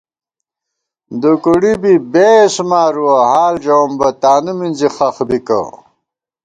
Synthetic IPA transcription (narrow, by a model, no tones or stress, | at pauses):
d̪ukuɽibibesmaːɾuwɐɦaːld͡ʑɐwmbɐt̪aːnuminzixɐxbikɐ̰